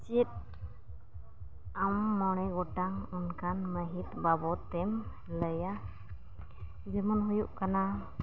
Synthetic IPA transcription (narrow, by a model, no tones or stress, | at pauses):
t͡ʃit̪̚ | amːɔɽ̃ɛɡɔʈaŋunkanməɦit̪̚babɔt̪ɛm | ləja | d͡ʒɛmanɦujuʔkana